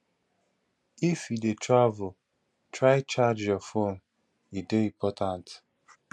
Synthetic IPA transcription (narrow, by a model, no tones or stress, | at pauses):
ifjidetʰɹavʊ | tɹaɪt͡ʃad͡ʒjɔfon | ideĩmpɔtʰãnt